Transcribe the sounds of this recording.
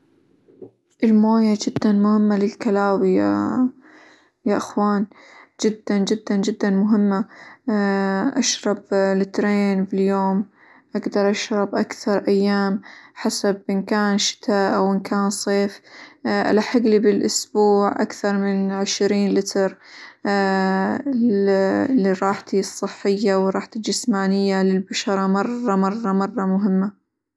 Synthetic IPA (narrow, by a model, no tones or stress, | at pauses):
ʔɪlmoːjad͡ʒɪd̪ːanmʊhɪmːalɪlkalaːwija | jaʔɪxwaːn | d͡ʒɪd̪ːand͡ʒɪd̪ːand͡ʒɪd̪ːanmʊɦɪmːa | ʔaʃɾˤɑblɪt̪ɾeːnbɪljoːm | ʔaɡd̪ɑɾˤʔaʃɾˤɑbʔakθɑɾˤʔajːaːmħasabʔɪnkaːnʃɪ̥t̪ʰaʔawʔɪnkʰaːnsˤeːfʔa̰laħaɡːlibɪlʔʊsbuːʕʔa̰kθɑɾˤmɪnʕɪʃɾiːnlɪt̪ɾ | lːiɾˤɑːħt̪isˤːɨħːɪjːawɾˤɑːħt̪id͡ʒɪsmaːnɪjːalɪlbaʃɑɾˤɑmɑrˤːɑmɑrˤːɑmɑrˤːɑmʊɦɪmːa